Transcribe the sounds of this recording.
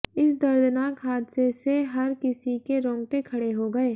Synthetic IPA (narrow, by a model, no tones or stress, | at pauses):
ɪsd̪ɐɾd̪ənaːkɦaːd̪seseɦɐɾkɪsikeɾɔ̃ːŋʈẽkʰɐɽeɦoɡɐeː